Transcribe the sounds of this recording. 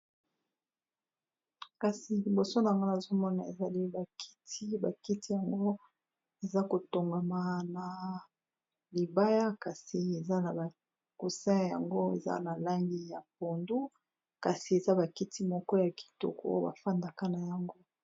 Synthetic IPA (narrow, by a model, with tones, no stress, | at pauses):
ka˨si˨li˨bo˨so˦na˨a˨ŋɡa˦na˨zo˦mɔ˦na˨ḛ˨za˨li˦ba˨kʰi̥˦ti˦ba˨ki˦ti˦ja˨ŋɡo˦ | e˨za˦ko˨to˨ŋɡa˨ma˨na˨ | li˨ba˦ja˦ka˨si˨e˨za˦na˨ba˨ | ku˨sɛ̃˦˨ja˨ŋɡo˦ḛ˨za̰˦na˨la˦ŋɡi˦ja˨p̚o˨ndu˦ | ka˨si˨e˨za˦ba˨ki˦tʰi˦mɔ˦kɔ˦ja˨ki̥˨to̰˨ko̰˦o˦ba̰˨fa˦nda˨ka˦na˨ja˨ŋɡo˦